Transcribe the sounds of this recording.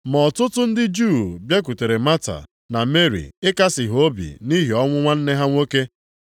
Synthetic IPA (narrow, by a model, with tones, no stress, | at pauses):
mɔ˨tʊ˦tʊ˦n̩˦dɪ˦d͡ʒuː˦˨bje˦k̬u˨te˨ɾe˨ma˦ta̰˨ | na˨me˦ɾḭ˨ɪ˦ka˦sɪ˨ɦo˦bḭ˨ni˦ɦi˨ɔ˦ŋʷʊ˦ŋʷa˦n̩˦ne˦ɦa˦ŋʷo˦ke˦